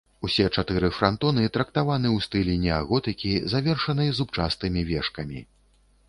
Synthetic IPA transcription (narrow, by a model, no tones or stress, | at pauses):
usʲɛt͡ʂat̪ɨɾɨfɾant̪ɔnɨt̪ɾɐk̚t̪avanɨwst̪ɨlʲinʲɛaɣɔt̪ɨkʲizavʲɛrʂɐnɨjɐzup̚t͡ʂast̪ɨmʲivʲɛʂkɐmʲḭ